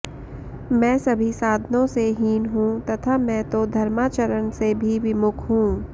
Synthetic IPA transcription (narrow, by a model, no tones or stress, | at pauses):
mɛ̃ːsɐbʱisaːd̪ʱnõseɦiːnɦũt̪ɐt̪ʰamɛ̃t̪od̪ʱɐɾmaːt͡ʃəɾənsebʱiʋɪmʊkʰɦũː